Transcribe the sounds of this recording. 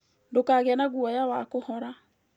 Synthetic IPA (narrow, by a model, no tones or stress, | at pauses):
ndokaːɣeanaɣuɔjawakohɔɾa